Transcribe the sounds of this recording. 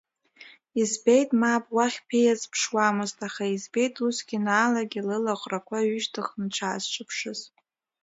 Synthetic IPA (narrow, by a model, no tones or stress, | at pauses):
izbejtʼmabʼwaχʲpʰejazpʰʂwamɨztʼaχaizbe̞jtʼʰusɡʲinaːlaɡʲilɨlaqʷʼrakʷʰaɥʏʒtʰɨχmʈ͡ʂʰaːzt͡ʃʷʰʼɨpʰʂɨz